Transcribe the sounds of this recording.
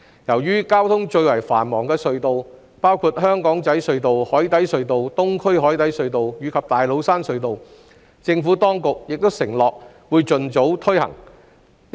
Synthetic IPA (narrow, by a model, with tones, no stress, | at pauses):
jɐ˨˩wjyː˥kaː˥wt̪ʰʊ˥ŋt͡ʃɵ˧ɥwɐ˨˩jfa̰ː˨˩nmɔː˨˩ŋkɛː˧sɵ˧ɥt̪o˨w | paː˥wkʰu˧t̚ɦœː˥ŋkɔː˨˥ŋt͡sɐ˨˥jsɵ˧ɥt̪o˨whɔː˨˥jt̪ɐ˨˥jsɵ˧ɥt̪o˨wt̪ʊ˥ŋkʰɵ˥ɥɦɔː˨˥jt̪ɐ˨˥jsɵ˧ɥt̪o˨wjyː˨˧kʰɐ˨p̚t̪aː˨jlo˨˧wsaː˥nsɵ˧ɥt̪o˨w | t͡sɪ˧ŋfuː˨˥t̪ɔː˥ŋkʊ˨k̚jɪ˨k̚t̪o˥wsɪ˨˩ŋlɔː˨k̚ | wuː˨˧jt͡sɵ˨˧nt͡so˨˥wt̪ʰɵ˥hɐ̰˨˩ŋ